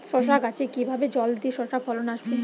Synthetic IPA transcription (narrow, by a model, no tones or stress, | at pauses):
ʃɔʃ̬akat͡ɕʰekibʱabed͡ʑɔld̪iʃɔʃak̚pʰɔlonaʃbe